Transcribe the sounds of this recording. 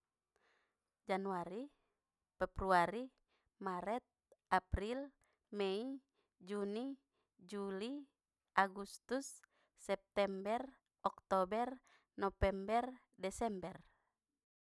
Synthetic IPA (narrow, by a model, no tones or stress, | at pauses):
d͡ʒanuaɾi | fɛbɾuaɾi | maɾɛt̪̚apɾil | mɛi | d͡ʒuni | d͡ʒuli | ʔaɡust̪usː | ɛp̚t̪ɛmbɛr | ɔkt̪ɔbɛr | nɔfɛmbɛr | dɛsɛmbɛr